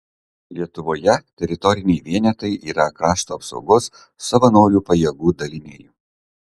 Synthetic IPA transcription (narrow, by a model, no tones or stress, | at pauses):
lʲiɛt̪ʊʋoːjɛt̪ʲɛɾʲɪt̪ɔɾʲɪnʲɛɪʋʲiɛnʲɛt̪ɐɪʔiːɾɐkɾɑːʃt̪oːɐpsɒ̰ʊɡoːsː | ɐʋɐnoːɾʲuːpɐjɛɡuːd̪ɐlʲɪnʲeːjuː